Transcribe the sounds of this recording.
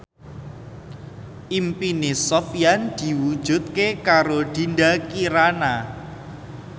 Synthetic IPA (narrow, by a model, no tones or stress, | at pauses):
ʔimpinesɔpijand̪̥i̤wud̥ʒ̥ṳt̪̚kekaɾod̪̥i̤nd̪akiɾana